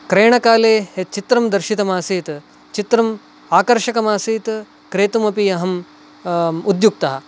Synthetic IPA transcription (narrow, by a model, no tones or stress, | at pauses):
kɾeːɳɐkaːleːet͡ʃit̪ɾɐmd̪ɐɾʃit̪ɐmaːsiːt̪ | t͡ʃit̪ɾɐm | aːkɐɾʃɐkɐmaːsiːt̪ | kɾeːt̪umɐpiɐɦɐm | ud̪juk̚t̪ɐɦɐ̆